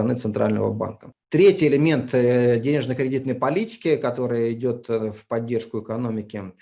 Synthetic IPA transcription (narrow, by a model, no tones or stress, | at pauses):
ɐnɨt̪sɨnt̪ɾʔa̰lʲnə̰və̰ba̰nkət̪ɾʲetʲɪjɪlʲɪmʲe̞nt̪dʲenʲɪʐnəkɾʲɪdʲit̪nəjpɐlʲitʲɪ̥kʲɪkɐt̪o̞ɾɨjəɪdʲo̞t̪fpɐdʲːe̞rʂkʊɪkɐno̞mʲɪkʲɪ